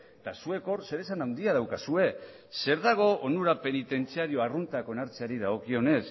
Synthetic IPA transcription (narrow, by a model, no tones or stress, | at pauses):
t̪asue̞ko̞ɾse̞ɾe̞sanawnd̪iaðawkasue̞ | se̞ɾðaɣ̞o̞ʔonuɾape̞nit̪e̞nt͡siaɾio̞arunt̪ako̞enaɾt͡seaɾiðaɣo̞kio̞ne̞s